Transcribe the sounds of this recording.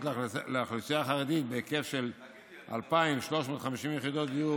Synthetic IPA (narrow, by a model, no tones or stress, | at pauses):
tlleaχlisijaχaʁed̪it̪̚beke̞fʃe̞l | ʔa̰lpaimʃlo̞ʃmo̞t̪χamiʃimjeχid̪o̞t̪iju